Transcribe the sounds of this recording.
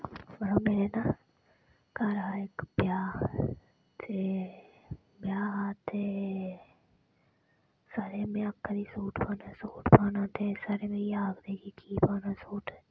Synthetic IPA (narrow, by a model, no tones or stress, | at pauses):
bəɾomeːɾeːna | kaɾaːekbjaː | t̪ʰe | bjaːɦat̪e | saɾeːmẽəkːəɾiːsoːʈʰpaːnasoːʈʰpaːnãːt̪esaɾeːmẽːiaːɡd̪eːkiːkʰiːpaːnaːsoːʈʰː